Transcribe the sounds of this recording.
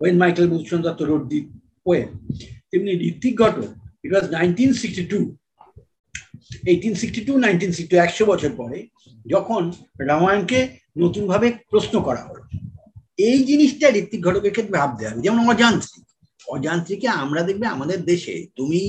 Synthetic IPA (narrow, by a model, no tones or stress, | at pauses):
wenmajkelbulʃond̪ɔt̪ːoɾoɖ̚d̪i | poent̪emniɾit̪ːikɡʱɔʈo̰iʈwɔznajnʈinsiksʈiʈu | eʈinsiksʈiʈunajnʈinsiksiiɛkʃobɔt͡ɕʰoɾpɔɾe | d͡ʑɔkʰon | ɾamajonke | not̪unbʱabepɾosnokɔɾa̰ɦo̰lo̰ | ejd͡ʑiniʃʈaɾit̪ːiɡʱɔʈokeɾkʰet̪̬ːɾebʱab̚d̪eabed͡ʑɛmonɔd͡ʑant̪ɾi | ɔd͡ʑant̪ɾikeamɾad̪ek̚ʰbeamad̪eɾd̪eʃḛt̪umi